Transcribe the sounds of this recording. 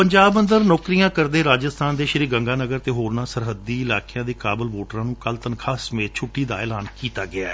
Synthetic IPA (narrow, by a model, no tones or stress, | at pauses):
pəɲd͡ʒaːbə̃nd̪əɾnɔːkɾijãːkəɾd̪eːɾaːd͡ʒəst̪ʰaːnd̪eːʃəɾiːɡəŋɡaːnəɡəɾt̪eːɦoːɾnãːsəɾɦəd̪ːiːɪlaːkejãːd̪eːkaːbəlʋoːʈəɾãːnũːkəlt̪ənkʰaːsəmẽːt̪̚t͡ʃʰʊʈːiːd̪a̰ːɛːlaːnkiːt̪aːɡɪa̰ːɛː